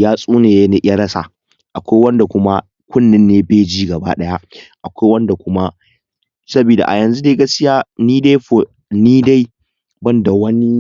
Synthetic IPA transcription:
jaː˦sʼuː˦neː˨je˦ne˦ʔa˦ɽɐ˦sa̰˨ | ʔa˨kʷa˦jwɐ˦nda˨kʷʊ˦ma˦ | kʷʊ˦nːɪ˦nːeː˦beː˦d͡ʒiː˦ɡɐ˨ba̰ː˦ɗɐ˦ja˦ʔa˨kʷa˦jwɐ˦nda˨kʷʊ˦ma˦ | sɐ˦biː˨da̰˨ʔa̰˨jɐ˨nzu˦da˦ɡɐ˦skʲɪ˦jaː˦niː˦de˦ɸo˨ | niː˦da˦j | bɐ˦nda˨wɐ˦ni˦

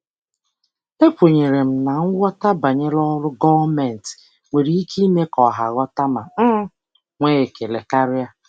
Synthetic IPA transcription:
e˦kʷo˨ɲe˨ɾe˨m̩˨na˨ŋ̩˦ɡʷɔ˦ta˦ba˨ɲe˦lɔ˦ɾʊ˦ɡɔ˦va˦mɛ˨n˨t | ŋʷe˨ɾi˨i˦ki˦me˦kɔ˨ɦa̰˨ɡɔ˦ta˦ma̰˨m̩˦ | ŋʷe˦e˨ke˨le˨ka˦ɾɪ˦ja˦

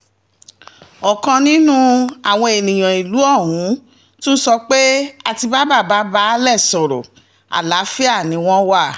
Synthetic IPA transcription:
ɔ˨kã˧nĩ˦nũ˦a˨w̃ɔ̃˧e˨nĩ˨j̃ã˨i˨lu˨˦ɔ˦˨ɦũ˨˦ | tũ˦sɔ˧k͡pe˦a˧ti˧ba˦ba˦˨ba˨˦ba˦lɛ˦˨sɔ˨ɾɔ̰˨ | a̰˨la˨˦fi˦a˦˨nĩ˨˦w̃ɔ̃˦wa˦˨

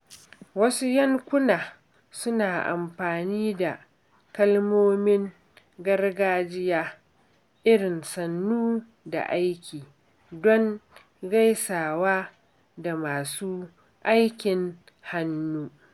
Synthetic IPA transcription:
wɐ˦su˦jɐ˦ŋkʷʊ˦naː˨ | sʊ˦naː˨ʔa̰˨mɸaː˨niː˦da˨ | kɐ˦lmoː˦mɪ˦ŋ | ɡɐ˦rɡaː˦d͡ʒɪ˦jaː˦ | ʔɪ˦ɽɪ˨nsɐ˨nːuː˦ | da̰˨ʔa˦jkʲiː˨ | dɔ˦ŋ | ɡa˦jsaː˨waː˦ | da˨maː˨suː˦ | ʔa˦jkʲɪ˨ŋ | ha˦nːuː˦

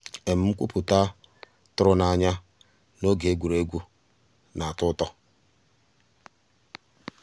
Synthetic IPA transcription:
e˨m̩˨˦m̩˦kʷṵ˦pʊ˨ta˦ | tʊ˦ɾʊ˦na˨ɲa˦ | no˦ɡe˦ɡʷu˨ɾe˦ɡʷu˦ | na˨a˨tʊ˦tɔ˦

